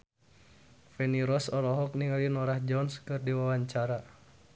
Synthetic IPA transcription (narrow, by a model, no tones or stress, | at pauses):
fɛniɾɔsɔɾɔɦɔk̚niŋalinɔɾahd͡ʒɔnskɨrdiwawaɲt͡ʃaɾa